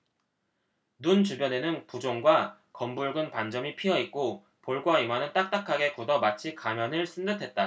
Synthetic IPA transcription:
nunt͡ɕubjʌne̞nɯnpud͡ʑoŋɡwa | kʌmbuɭɡɯnpand͡ʑʌmipʰiʌik̚k͈o | poɭɡwaimanɯnt͈ak̚t͈akʰaɡe̞kudʌmat͡ɕʰikamjʌnɯɭs͈ʰɯndɯtʰe̞t̚t͈a

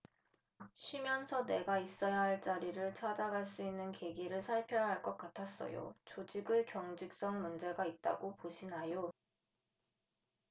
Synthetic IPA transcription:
ɕʰimjʌnsʰʌne̞ɡais͈ʌjaɦaɭt͡ɕ͈aɾiɾɯɭt͡ɕʰad͡ʑaɡaɭs͈uinːɯnke̞ɡiɾɯɭsʰaɭpʰjʌɦaɭk͈ʌk̚k͈atʰas͈ʌ̰jo̰t͡ɕod͡ʑiɡɯkjʌŋd͡ʑik̚s͈ʌŋmund͡ʑe̞ɡait̚t͈a̰ɡopoɕʰinajo

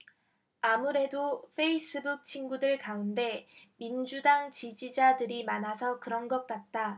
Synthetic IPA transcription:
amuɾe̞doɸʰe̞is͈ʰɯbuk̚t͡ɕʰinɡudɯɭkaunde̞mind͡ʑudaŋt͡ɕid͡ʑid͡ʑadɯɾimanasʰʌkɯɾʌnɡʌt̚k͈at̚t͈a

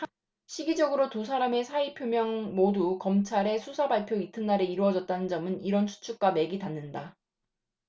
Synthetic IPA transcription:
ɕʰiɡid͡ʑʌɡɯɾotusʰaɾame̞sʰaipʰjomjʌŋmodukʌmt͡ɕʰaɾe̞sʰusʰabaɭpʰjoitʰɯnːaɾe̞iɾɯʌd͡ʑʌt̚t͈anɯnd͡ʑʌmɯniɾʌnsʰu̥t͡ɕʰuk̚k͈ame̞ɡitanːɯnda

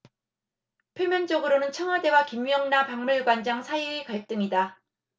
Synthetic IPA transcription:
pʰjomjʌnt͡ɕʌɡɯɾonɯnt͡ɕʰʌŋɦwade̞wakimjʌŋnapaŋmuɭɡwand͡ʑaŋsʰaiekaɭt͈ɯŋida

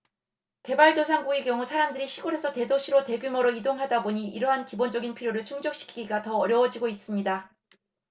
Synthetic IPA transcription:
ke̞baɭdosʰaŋɡuɡekjʌŋusʰaɾamdɯɾiɕʰiɡuɾe̞sʰʌte̞doɕʰiɾote̞ɡjumʌɾoidoŋɦadaboɲiiɾʌɦankibond͡ʑʌɡinpʰiɾjoɾɯɭt͡ɕʰuŋd͡ʑʌk̚ɕ͈ʰi̥kʰiɡiɡatʌːɾjʌwʌd͡ʑiɡois͈ɯmɲida

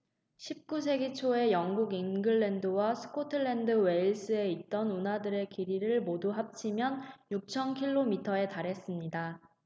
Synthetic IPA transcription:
ɕʰip̚k͈us̬ʰe̞ɡit͡ɕʰoe̞jʌŋɡuɡinɡɯɭːendɯwasʰɯ̥kʰotʰɯɭːe̞ndɯwe̞iɭs͈ɯe̞it̚t͈ʌnunɦadɯɾe̞kiɾiɾɯɭmoduɦap̚t͡ɕʰimjʌnjuk̚t͡ɕʰʌnkʰiɭːomitʰʌe̞taɾɦe̞s͈ɯmɲida

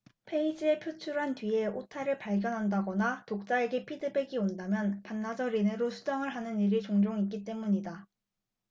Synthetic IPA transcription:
pʰe̞id͡ʑie̞pʰjot͡ɕʰuɾɦantɥie̞otʰaɾɯɭpaɭɡjʌnɦandaɡʌnatok̚t͡ɕ͈aeɡepʰidɯbe̞ɡiondamjʌnpanːad͡ʑʌɾineɾosʰu̥d͡ʑaŋɯɭɦanɯniɾit͡ɕoŋd͡ʑoŋik͈it͈e̞muɲida

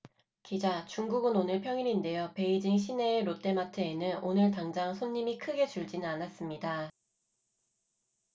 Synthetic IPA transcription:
kid͡ʑat͡ɕuŋɡuɡɯnonɯɭpʰjʌŋininde̞jope̞id͡ʑiŋɕ̬ʰine̞ːɾot͈ʰe̞matʰɯenɯnonɯɭtaŋd͡ʑaŋsʰoɲːimikʰɯɡe̞t͡ɕuɭd͡ʑinɯnanas͈ɯmɲida

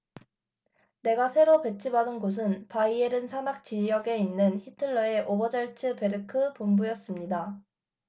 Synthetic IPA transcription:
ne̞ɡasʰe̞ɾope̞t͡ɕʰibadɯnɡos̬ʰɯnpaieɾɯnsʰanak̚t͡ɕijʌɡe̞inːɯnçitʰɯɭːʌe̞ʔobʌd͡ʑʌɭt͡ɕʰɯpe̞ɾɯkʰɯpombujʌs͈ɯmɲida

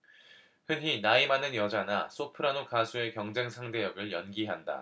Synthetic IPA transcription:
hɯnɦinaimanɯnjʌd͡ʑanas͈ʰopʰɯɾanokasʰue̞kjʌŋd͡ʑe̞ŋsʰaŋde̞jʌɡɯɭjʌnɡiɦanda̰

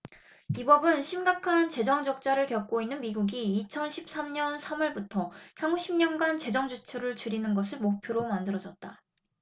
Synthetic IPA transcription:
ibʌbɯnɕʰimɡakʰant͡ɕe̞d͡ʑʌŋd͡ʑʌk̚t͡ɕ͈aɾɯɭkjʌk̚k͈oinːɯnmiɡuɡiːt͡ɕʰʌnɕʰip̚s͈amɲʌnsʰamʌɭbutʰʌçjʌŋuɕʰimɲʌnɡant͡ɕe̞d͡ʑʌŋd͡ʑut͡ɕʰɯɾɯɭt͡ɕɯɾinɯnɡʌsʰɯɭmok̚pʰjoɾomandɯɾʌd͡ʑʌt̚t͈a

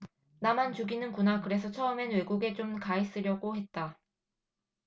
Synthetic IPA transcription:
namant͡ɕuɡinɯnkunakɯɾe̞s̬ʰʌt͡ɕʰʌɯme̞nwe̞ɡuɡe̞t͡ɕomkais͈ɯɾjʌɡohe̞t̚t͈a

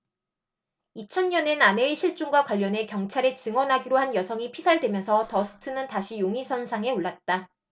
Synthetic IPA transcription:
it͡ɕʰʌnɲʌnenaneiɕʰiɭt͡ɕ͈uŋɡwakwaʎːʌne̞kjʌŋt͡ɕʰaɾet͡ɕɯŋwʌnɦaɡiɾohanjʌsʰʌŋipʰisʰaɭdwemjʌnsʰʌtʌsʰɯ̥tʰɯnɯntaɕʰijoŋisʰʌnsʰaŋe̞oɭːat̚t͈a

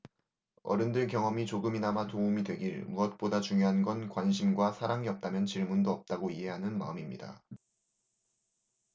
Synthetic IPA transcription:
ʌ̰ɾɯndɯɭkjʌŋʌmit͡ɕoɡɯminamatoumidwe̞ɡiɭmuʌt̚p͈odat͡ɕuŋjoɦanɡʌnkwanɕʰimɡwasʰaɾaŋiʌp̚t͈amjʌnt͡ɕiɭmundoʌp̚t͈aɡoiɦe̞ɦanɯnma̰ɯmimɲḭda̰

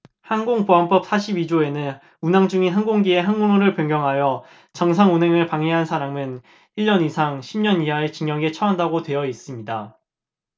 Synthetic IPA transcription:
hanɡoŋpoɦamp͈ʌp̚s͈ʰaɕʰibid͡ʑoe̞nɯn | unaŋd͡ʑuŋinɦanɡoŋɡie̞ɦanɡunoɾɯɭpjʌŋɡjʌŋɦajʌ | t͡ɕʌŋs̬ʰaŋunɦe̞ŋɯɭpaŋɦeɦansʰaɾaŋɯn | iɭːʌnisʰaŋɕʰimɲʌniɦae̞t͡ɕiŋjʌŋe̞t͡ɕʰʌɦandaɡotwe̞jʌis͈ɯmɲida

